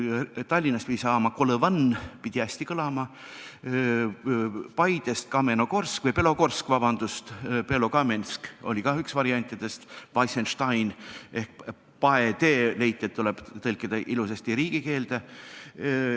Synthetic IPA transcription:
t̪ɑlʲːinːɑspid̪ʲisɑːmɑkoləvɑnpid̪̥iæsʲt̪ikɤlɑmɑ | pɑjd̪̥e̞st̪̚kɑme̞no̞ko̞rskvɤjpe̞lo̞ko̞rskvɑb̥ɑnd̪̥ust̪pelo̞kɑmenʲsko̞̰lʲikɑyksvɑɾiɑnʲt̪ʲːˑid̪̥e̞st̪vɑjsenʃt̪ɑjne̞hk̚ | pɑed̪e̞ːle̞jt̪ːˑiet̪ːule̞b̥t̪ɤlʲkːid̪̥ɑʔilusest̪iɾiːɡ̥ike̞ːld̪̥e

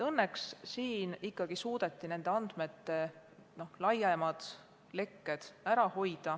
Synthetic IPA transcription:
ɤnːekssiːnikːɑɡ̥isuːd̪̥e̞t̪ːine̞nd̪eɑnd̪̥me̞t̪ːe̞ | no̞hlɑjemɑd̪̥ | le̞kːe̞d̪̥æɾɑho̞jd̪̥ɑ

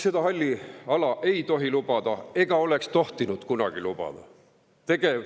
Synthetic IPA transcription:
se̞d̪ɑɦɑlʲːiɑlɑʔe̞jt̪o̞ɦilub̥ɑd̪̥ɑe̞ɡ̥ɑo̞le̞kst̪o̞ht̪inud̪̥kunɑ̰ɡ̥ilub̥ɑ̰d̪̥ɑ̰ | t̪e̞ɡ̥e

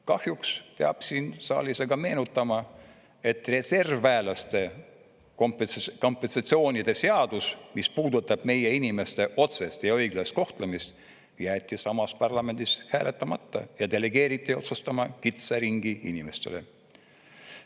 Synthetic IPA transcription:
kɑhjukspeɑb̥siːnsɑ̰ːliseɡ̥ɑme̞ːnut̪ːˑɑmɑ | e̞t̪ːˑre̞se̞rvæːlɑst̪e̞ | kompko̞mpːˑe̞nsɑt̪sio̞ːnʲid̪̥e̞se̞ɑd̪̥usmispuːd̪ut̪ːˑɑb̥me̞je̞inime̞st̪e̞ʔo̞t̪se̞st̪jɑɤ̞jɡ̥lest̪ko̞ht̪lemist̪ | jæːt̪ʲːˑisɑmɑspɑrlɑme̞nd̪ishæːlʔet̪ːˑɑmɑt̪ːɑ̰jɑd̪e̞le̞ɡ̥e̞ːɾit̪ʲˑːio̞̰t̪sust̪ɑmɑkit̪seɾiŋɡ̥iḭnime̞st̪e̞̰le̞̰

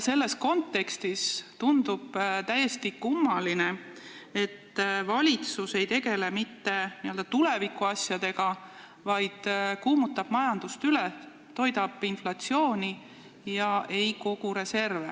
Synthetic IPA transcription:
se̞lːe̞sko̞nt̪ːe̞kst̪ist̪und̪̥ub̥t̪æje̞st̪ikumːɑlinee̞t̪ːvɑlʲit̪suse̞jt̪e̞ɡe̞le̞mit̪ːe̞niøld̪̥ɑt̪ule̞vikːˑuɑsʲjɑd̪̥e̞ɡ̥ɑ | vɑjd̪̥kuːmut̪ːˑɑb̥mɑjɑnd̪̥ust̪yle | t̪o̞jd̪ɑb̥inflɑt̪sio̞ːnʲi | jɑʔe̞jko̞ɡ̥uɾe̞se̞rve

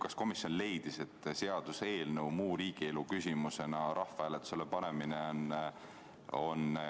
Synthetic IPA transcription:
kɑsko̞misjo̞nle̞jd̪ise̞t̪ːse̞ɑd̪̥use̞ːlnəwmuːɾiːɡ̥ie̞lukysʲimuse̞nɑɾʔɑhfɑæːlet̪ːu̥selːepɑɾe̞mineon | o̞n

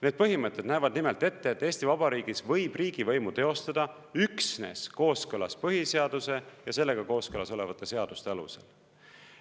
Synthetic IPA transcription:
ned̪̥̚pɤɦimɤt̪ːˑe̞d̪næjvɑd̪nimelt̪e̞t̪ːe̞et̪ːˑeːsʲt̪ivɑb̥ɑɾiːɡ̥isvɤ̞jb̥riːɡ̥ivɤ̞jmut̪e̞o̞st̪ɑd̪̥ɑ | yksne̞̰sko̞ːskɤlɑ̰spɤɦise̞ɑd̪use̞jɑse̞lːe̞ɡ̥ɑko̞ːskɤlɑso̞le̞vɑt̪ːˑe̞se̞ɑd̪̥ust̪e̞ɑlṵsḛl

